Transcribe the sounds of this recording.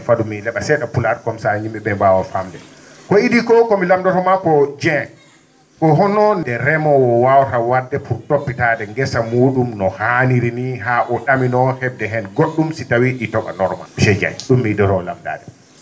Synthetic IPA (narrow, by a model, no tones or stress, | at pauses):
fadumːilɛɓasɛɗapulat̚kɔmsaɲimɓɛbɛmbawafamdɛ | kɔidikɔkɔmilamdatɔmakɔd͡ʒɛ | kɔɦɔnɔndɛɾɛmɔwɔwawtawadːɛpʰuɾtopːitadɛŋɡɛsamuːɗumnɔhaniɾiniɦaʔɔɗaminɔhɛb̚dɛɦɛnɡoɗːumsitawiɗitɔka̰nɔɾma̰ʃɛd͡ʒɛ̰ŋɗumːidɔtɔla̰mda̰ːdɛ